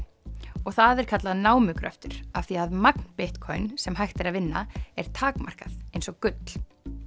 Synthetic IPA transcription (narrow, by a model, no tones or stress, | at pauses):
ɔɣθaðɛɾ̥kʰat̪laðnaːwmʏkɾœ̰ft̪ʏɾ̥aθiaðmakn̥pɪht̪kʰɔjnsɛmɦajxt̪ɪɾaðvɪnːa̰ɛɾ̥t̪ʰaːkma̰r̥kaθejnsɔɣkʏt̪l̥